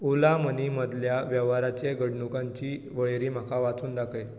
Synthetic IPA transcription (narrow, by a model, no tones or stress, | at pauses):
ulaməniməd̪ljaʋjɛʋaɾat͡ɕeɡəɽɳukãɲt͡ɕiː | ʋəɭɾiːm̤akʰaʋat͡suːnd̪akʰəj